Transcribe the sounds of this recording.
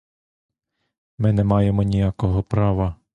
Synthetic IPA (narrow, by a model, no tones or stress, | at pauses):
mɪnɛmɑjemɔnʲijakɔɦɔpɾɑʋɐ